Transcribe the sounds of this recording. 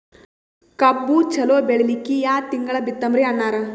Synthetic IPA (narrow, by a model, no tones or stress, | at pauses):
kɐbːut͡ʃɐloːbeɭilikijaːt̪iŋɡɐɭɐbit̪ːɐmɾiɐnːaːɾɐ